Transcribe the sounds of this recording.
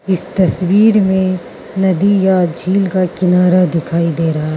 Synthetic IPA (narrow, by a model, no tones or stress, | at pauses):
ɪst̪ɐswiːɾmẽ | nɐd̪ijad͡ʒʱiːlkakɪnaːɾad̪ɪkʰaːid̪eːɾɐɦaɦ